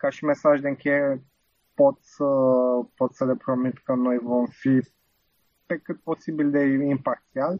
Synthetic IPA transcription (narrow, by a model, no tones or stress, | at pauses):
kaʃime̞saʒd̪eɨŋkʲejeɾe | po̞t̪səpo̞t̪səle̞pɾo̞mit̪kəno̞jvo̞mfi | pe̞kɨt̪̚po̞sibild̪e̞impakt̪jal